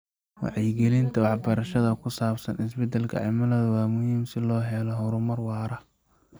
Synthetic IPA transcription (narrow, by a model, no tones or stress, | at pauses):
wɑ̰ʕɛjɡɛlɪnt̪ʰɐwɑħbɐɾɐʃɐðɐkʰʊsaːbsɐnɪs̬bɛd̪ɛlkʰɐ̰ʕɪmɐlɐðɐwɑːmʊhiːmsɪlɔːɦɛlɔɦɔɾʊmɐrwɑːɾɐ